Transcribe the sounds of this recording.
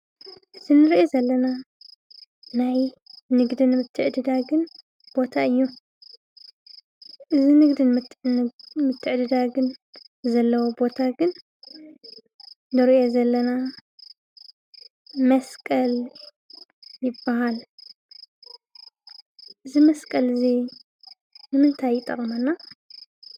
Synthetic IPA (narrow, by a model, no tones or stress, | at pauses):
z̥ɨnɨɾʔezɐlːɐna | naj | nɨɡd̪inmɨt̪ʰːɨʕd̪ɨd̪aɡɨn | b̥o̞t̪ʰaɨjːu | ʔɨzinɨɡd̪ɨn | mɨt̪ʰːɨʕd̪ɨd̪aɡɨnzɐlːɐwobo̞t̪ʰaɡɨn | nɨɾiʔozɐlːɐna | mɐskʼɐl | jɪbːaɦal | ʔɨzimɐskʼɐlɨzi | nɨmɨnt̪ʰajːɪt̪ʼːɐχʼmɐnːa